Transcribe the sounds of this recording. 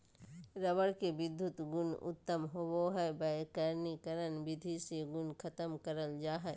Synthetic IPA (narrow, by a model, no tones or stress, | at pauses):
ɾɐbəɽkebɪd̪ʱːʊt̪ɡʊnʊ̰t̪ːəmɦowoɦɛbɐkəɾnikəɾənbɪd̪ʱiseɡʊnkʰɐt̪əmkəɾəld͡ʒaːɦɛ